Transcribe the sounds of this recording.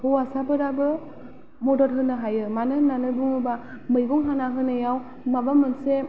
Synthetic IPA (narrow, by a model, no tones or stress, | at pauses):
hɔwasabɯɾabɯ | mɔdɔɾɦɯnːɯɦajɯmanɯnanɯbuŋɯba | mɯjɡɔŋɦanaɦɯnɯjaw | mabamɯnse